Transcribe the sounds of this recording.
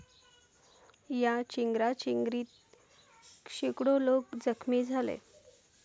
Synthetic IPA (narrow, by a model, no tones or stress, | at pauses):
jat͡ɕiŋɡɾat͡ɕiŋɡɾiːt̪̚ | kʂikɽolokd͡zəkʰmiːd͡zʱalḛ